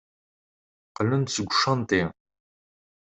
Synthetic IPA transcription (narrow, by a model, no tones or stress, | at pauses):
qəlɨnt͡sʰɨɡʷʂɐntʼeː